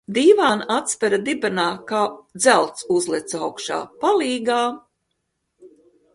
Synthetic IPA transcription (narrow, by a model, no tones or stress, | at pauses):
d̪iːvaːnat̪spɛɾad̪ibɛnaːkaːd̪zælˠt̪suzlˠɛt̪sawkʃa̰ːpalˠiːɡaː